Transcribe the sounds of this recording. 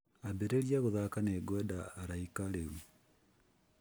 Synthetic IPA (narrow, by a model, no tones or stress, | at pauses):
abeɾeɾjaɣoðakaneɡwɛdaːɾaikaɾeu